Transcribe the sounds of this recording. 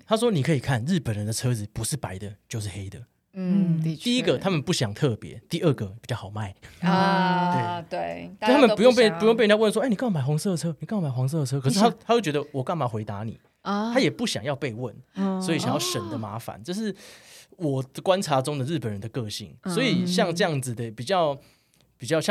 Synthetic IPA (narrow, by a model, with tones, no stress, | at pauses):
t̪ʰa˥ʂ̬wɔ˥ni˨˩kʰɤ˧˥i˨˩kʰa˥˨nɻɻ̩˥˩pə˨˩nɻə˦nd̪ə˨˧t͡sʰɤ˥d͡zɹ̩˨˩pu˧˦ʂɻ̩˥˩pa˨˥ɪd̪ə˨t͡ɕjo˥˧ʊʂ̬ɻ̩˥˩xe˥ɪd̪ə˩ | t̪i˥˨i˦˥ɡə˨t̪ʰa˦˥mə˨npu˥˩ɕjɑ˨˩ŋt̪ʰɤ˥˩pjɛ̰˧˦t̪i˥˧ə˥˩ɡə˩pi˨˩t͡ɕjɑ˥˩xʰɑ˨˩ma˥˩ɪ | t̪we˥˩ɪt̪we˥˩t͡ɕt̪ʰa˥mə˨pu˧jŋpe˥˩pu˧jŋpe˥˧˨jwə˧˨˩swɔ˥˩ni˨kma˨˩ɪxwɑ˧˥ŋsɤ˥˩d̪t͡sʰɤ˥ni˨˩kjɑ˥˩ma˨˩ɪxwɑ˧˦ŋs̬ɤ˥˩d̪ə˩t͡sʰɤ˦˥kʰɤ˨ʂ̩˥˩t̪ʰa˥t̪ʰa˥t͡ɕo˥˩ʊt͡ɕɥɛ˧˥d̪ə˧wɔ˨˩ka˥˩nma˨˥˩xwe˧˥ɪt̪a˧˦nḭ˨˩˦ | t̪ʰa˥jɛ˨˩pu˥˩ɕjɑ̰˨˩ŋjɑ˥˧ʊpe˥˧ɪwə˥˩nswɔ˧˥i˨˩ɕja˨ŋjɑ˥˩ʊʂə˨˦nd̪ə˨ma̰˧˥fa̰˨˦nʈ͡ʂɤ˥˧ʊʂ̬ɻ̩˥˩wɔ˨˩ə˨kwa˦˥nt͡sʰa˧˥t͡so˥ŋd̪ə˨ɻ̩˥˩pə˨˩nɻə˧˦nd̪ə˨kɤ˥˧ɕḭ˥˨˩ŋswɔ˧˦˥i˨˩ɕjɑ˥˧ŋʈ͡ʂɤ˥˧jɑ˥˩ŋd͡z̩˩d̪ə˩pi˨˩t͡ɕjɑ˥˩ʊ | pi˨˩t͡ɕjʊɕjɑ˥˨